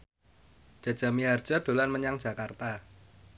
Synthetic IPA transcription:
ʒ̥a̤dʒ̥a̤miɦard̥ʒ̥aɖ̥o̤lanməɲaŋd̥ʒ̥a̤kart̪a

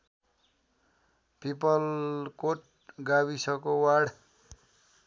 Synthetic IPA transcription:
pipʌlkoʈ̚ | ɡawisʌkowaɽ

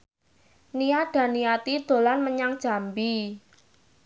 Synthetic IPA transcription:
niad̥a̤niat̪id̪̥o̤lanməɲaŋd̥ʒ̥a̤mbi

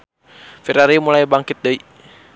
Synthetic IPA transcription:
fɛɾaɾimulajbaŋkɪt̪̚dəi

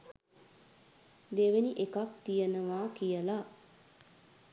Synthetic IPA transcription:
d̪eʋeniʔekakt̪ijənəʋaːkijəla

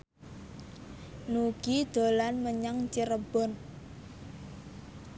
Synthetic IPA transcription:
nuɡ̥id̪̥o̤lanməɲaŋt͡ʃiɾəb̥ɔ̤n

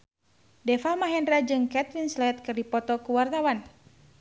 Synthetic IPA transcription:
dɛfalmaɦɛndɾad͡ʒɨŋkɛt̪finslɛt̪̚kɨrdipɔt̪ɔkuwart̪awan

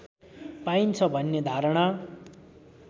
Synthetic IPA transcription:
paint͡sʰʌbʱʌnːed̪ʱaɾɽ̃a

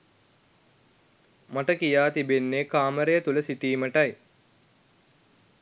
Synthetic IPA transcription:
maʈəkijaːt̪ibenːekaːməɾejət̪uləsiʈiːməʈaj

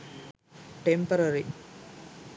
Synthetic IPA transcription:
ʈempɐɾɐɾi

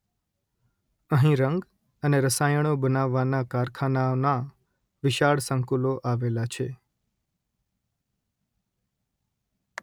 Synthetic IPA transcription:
əɦĩɾəŋɡ | əneɾəsajəɽ̃obənaʋːanakaɾkʰanaona | ʋɪʃaɭsə̃ŋkuloʔaʋelat͡ʃʰe

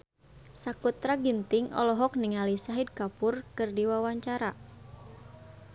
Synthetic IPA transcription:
sakut̪ɾaɡint̪ɪŋɔ̰lɔɦɔk̚niŋalisaɦid̪̚kapʊrkɨrdiwawaɲt͡ʃaɾa

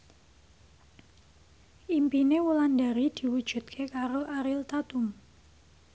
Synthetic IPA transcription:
ʔimpinewulandaɾid̪̥i̤wud̥ʒ̥ṳt̪kʰekaɾoʔaɾɪlt̪at̪ʊm

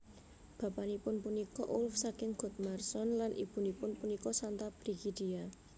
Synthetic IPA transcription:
b̥ä̤panipʊnpunikɔʔʊlfsakɪŋɡ̥ɔ̤t̪̚marsɔnlanʔḭb̥ṳnipʊnpunikɔsant̪ab̥ɾiɡ̥id̪̥ia

